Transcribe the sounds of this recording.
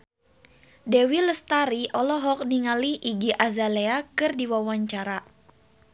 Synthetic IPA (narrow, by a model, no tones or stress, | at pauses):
dɛwiləst̪aɾiʔɔlɔɦɔk̚niŋaliʔiɡiʔazaleakɨrdiwawaɲt͡ʃaɾa